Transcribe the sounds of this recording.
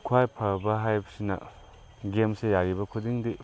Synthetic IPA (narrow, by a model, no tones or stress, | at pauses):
kʰwajpʰɐɾbɐɦajbɐsinɐ̰ | ɡemsejaɾibɐkʰudiŋdi